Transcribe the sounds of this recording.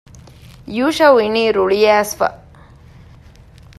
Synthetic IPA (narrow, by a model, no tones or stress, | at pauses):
juːʃɐwiniːɾuɭijæːsfɐ̰